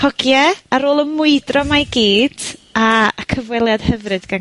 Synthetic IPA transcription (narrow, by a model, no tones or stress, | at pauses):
hɔɡjɛaɾoːlˠəmʊɨdrɔmaɡiːd̥akʰəvwɛlˠjad̥hɛvrɨd̥ɡa